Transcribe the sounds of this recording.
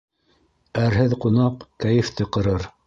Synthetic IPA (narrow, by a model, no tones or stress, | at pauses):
æɾɦɘðqunɑqkæjɘ̆ft̪ɘqɤ̆ɾɤɾ